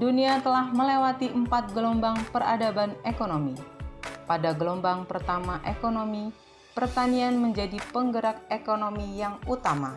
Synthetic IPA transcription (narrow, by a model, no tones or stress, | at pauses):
duniat̪əlahməlewat̪iʔəmpat̪̚ɡəlɔmbaŋpəra̰dabanekonomipadaɡəlɔmbaŋpərt̪amaʔekonomi | pərt̪anianməɲd͡ʒadipəŋɡəɾak̚ekonomijaŋut̪ama̰